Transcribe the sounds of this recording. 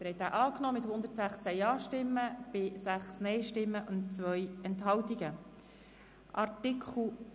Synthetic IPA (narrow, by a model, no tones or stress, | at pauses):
dəɾhɛt̪æːʔɑːknɔːmɪthʊnd̪əɾtsæχt͡sæjɑːʃtɪmːəb̥ɪsæχsnɛɪʃtɪmːəʔʊntt͡sʋœjɛnthɑltiɡə | ʔɑɾtɪkʰχl̩